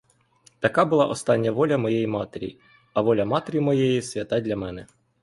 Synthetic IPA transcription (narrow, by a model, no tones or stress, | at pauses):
t̪ɐkɑbʊlˠɑ̰ʔɔst̪ɑnʲːɐʋɔlʲɐmɔjejimɑt̪eɾʲḭ | ɐʋɔlʲɐmɑt̪eɾʲimɔjejisʲʋʲɐt̪ɑdʲlʲɐmɛnɛ